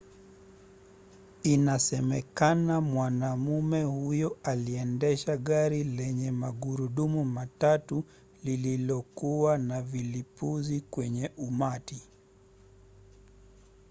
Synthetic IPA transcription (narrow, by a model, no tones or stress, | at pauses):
inasɛmɛkanamwanamumɛhujɔaliɛndɛʃaɠaɾilɛɲɛmaɠuɾuɗumumatatu | lililɔkuwanavilipuzikwɛɲɛʔumati